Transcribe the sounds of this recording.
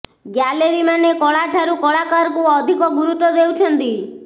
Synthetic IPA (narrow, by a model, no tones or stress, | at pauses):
ɡjaleɾimanekɔɭaʈʰaɾukɔɭakaɾkuɔd̪ʱikɔɡuɾut̪ːɔd̪ewt͡ʃʰɔnt̪i